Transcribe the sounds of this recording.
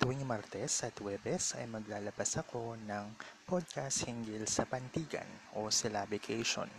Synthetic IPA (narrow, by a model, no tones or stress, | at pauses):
t̪uwiŋmaɾt̪ɛsʔɐt̪wɛbɛsɐ̰jmɐɡlaːlɐbasɐkʰo̞nɐŋpod̪̚kast̪̚hɪŋɡilsɐpɐnt̪iːɡɐ̰nʔo̞sɛlabɪkʰɛjʃo̰n